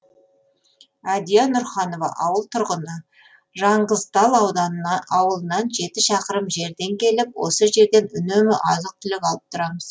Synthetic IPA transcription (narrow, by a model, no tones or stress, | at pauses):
æd̪ijɑnʊɾχɑno̞vɑ̰ʔɑwəlˠt̪ʰʊɾʁənə | ʒɑɴʁəzd̪ɑlˠɑwd̪ɑɑwəlˠənɑnʒe̞t̪ɪʃɑqəɾəmʒe̞ɾd̪e̞ŋkʲʰe̞lɪpwo̞səʒe̞ɾd̪e̞nʏnemɪʔɑ̰zəq̚t̪ʰʏlɪkʲɑlˠəp̚t̪ʰʊɾɑməz̥